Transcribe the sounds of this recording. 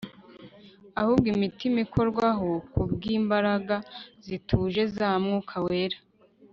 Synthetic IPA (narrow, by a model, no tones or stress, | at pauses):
ahuːb̚ɡimitimiko̞ɾɡwaɦokubɡiːmbaɾaɡazitʰuːʒe̞zaːmŋukʰawe̞ːɾḁ